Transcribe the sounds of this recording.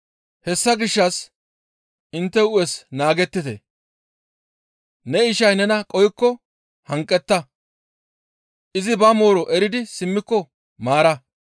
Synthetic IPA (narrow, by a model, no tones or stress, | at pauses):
hɛsːɐɡɪʃːɐs | ɪnt̪ːɛʊjɛsnaːɡɛt̪ːɪt̪ḛ | nɛɪʃɐjnɛnɐkʼɔjkːɔ | hɐŋkʼːɛt̪ːɐ | ʔɪzɪbɐmo̞ːɾɔʔɛɾɪd̪ɪsɪmːɪkːɔ | maːɾɐ